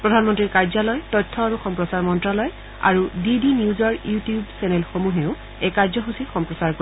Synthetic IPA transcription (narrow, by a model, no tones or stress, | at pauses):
pɹɔdʱanmɔntɹiɹkaɹzalɔjtɔjtʰːɔaɹuxɔmpɹɔsaɹmɔntɹalɔj | a̰ɹudidiniuzɔɹjutijubsɛnelxomuɦeʊ | ɛkaɹzɔxusixɔmpɹɔsaɹko